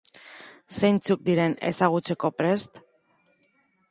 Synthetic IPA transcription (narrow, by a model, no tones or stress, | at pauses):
se̞jnt͡suk̚d̪iɾe̞ne̞̰saɣ̞ut͡se̞ko̞pɾe̞st̪